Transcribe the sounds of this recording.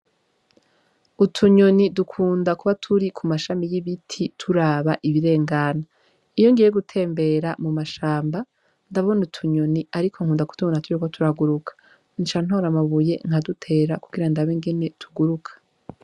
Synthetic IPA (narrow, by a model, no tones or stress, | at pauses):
utʰuɲonidukʰuːndakuβatʰuɾikʰumaʃamijiβitʰitʰuɾaːβaʔiβiɾe̞ːŋɡana | ijo̞ŋɡijeɡutʰe̞ːmbe̞ɾamumaʃaːmba | ndaβonutʰuɲoniaɾikʰo̞ŋkuːndaku̥tuβnatuɾikotʰuɾaɡuɾukʰḁ | int͡ʃan̥hoɾamaβuje̞ŋ̥hadutʰe̞ːɾakuɡiɾandaβeŋɡene̞tʰuɡuɾukʰḁ